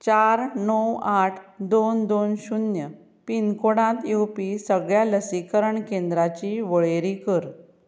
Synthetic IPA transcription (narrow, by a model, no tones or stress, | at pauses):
t͡ɕaɾnəwaʈʰd̪ond̪onɕunjə | pinkoɽãt̪ewpisəɡɭjaləsikəɾəɳkẽnd̪ɾat͡ɕiːʋəɭeɾikəɾ